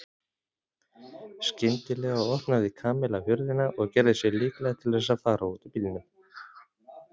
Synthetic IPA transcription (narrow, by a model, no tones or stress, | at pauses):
scɪnt̪ɪlɛɣaɔhpnaðɪkʰaːmɛlavjʏɾðɪnaʔɔɣcɛɾðɪsjɛɣliːklɛɣat̪ʰɪlðɛs̬afaːɾauːt̪apilnʏm